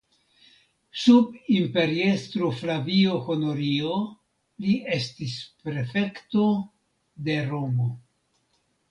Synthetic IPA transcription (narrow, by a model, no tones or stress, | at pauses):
subimpe̞ɾiestɾoflavio̞ho̞no̞ɾio | lie̞stispɾe̞fe̞kto̞ | de̞ɾo̞mo̞